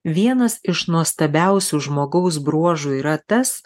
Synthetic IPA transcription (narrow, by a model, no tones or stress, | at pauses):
ʋʲiɛnɐsɪʃnuɔst̪ɐbʲæˑʊsʲuːʒmoːɡɐʊs̬bɾuɔʒuːiːɾɐt̪ɐs